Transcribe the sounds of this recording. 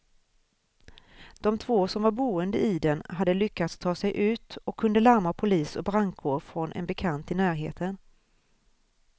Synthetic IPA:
d̪̥ɔmt̪ʰvoːsɔmvaɾbuːənd̪əɪd̪ɛnɦad̪ːəlʏkːat̪st̪ʰɑːsɛjʔʉ̟ːt̪ɔkʰːɵnd̪əlaɾmapʰʊliːsɔbɾaŋkʰoːɾfɾɔnʔɛ̰nbɛkʰant̪ɪnæːɾɦḛːt̪ʰən

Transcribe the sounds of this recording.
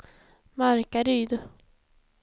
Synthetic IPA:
maɾkaɾyːd̪ʊ

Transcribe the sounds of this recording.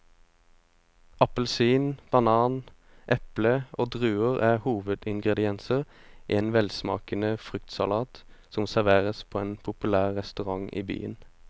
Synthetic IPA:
ʔɑpəl̩siːnb̥ɑnɑːn | ʔɛpləʔoːd̪ʁʉːəʁʔæhuːʋəd̪ɪŋɡʁɛd̪ɪɛnsəʁʔeːnʋɛlsmɑ̰ːkənəfʁʏkt̪sɑlɑːt̪sɔmsæʁʋeːʁəspʰoːeːnpʰʊpʉlæːʁːɛst̪ʉʁɑŋʔḭːby̰ːə̰n

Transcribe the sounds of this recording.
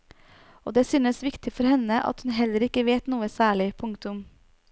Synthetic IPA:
o̰ːd̪ɛːsyːnəsʋɪkt̪ɪfɔɾhɛnəʔɑ̰t̪hʉnɦɛləɾɪkːəʋeːt̪nuːəsæːɭɪpʰʊŋkt̪ʊm

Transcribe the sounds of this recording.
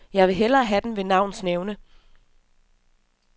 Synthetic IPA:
jɑ̈ɪʋe̝ɦel̰ɐːɦæd̥en̩ʋe̝nɑ̈ʊ̰n̩sneʊnə

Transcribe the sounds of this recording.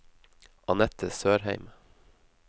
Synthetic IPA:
ɑnɛt̪ʰəsøːɾhæɪm

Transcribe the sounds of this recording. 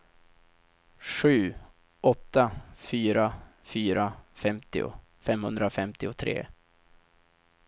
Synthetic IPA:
ɧʉ̟ː | ʔɔt̪ːafyːɾafyːɾafɛmt̪ɪ̰ʊ̰ | fɛmhɵnd̪ɾafɛmt̪ɪʊt̪ʰɾḛː

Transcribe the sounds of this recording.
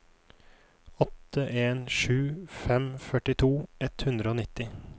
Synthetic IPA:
ɔt̪ːəʔeːnʃʉːfɛmfœʈɪt̪ʰuːɛt̪hʉnd̪ɾəoːnɪt̪ɪ

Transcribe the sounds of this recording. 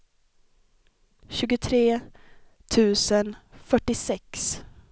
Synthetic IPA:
ɕʉ̟ːɡʊt̪ʰɾeː | t̪ʰʉ̟ːsənfœʈːɪsɛks

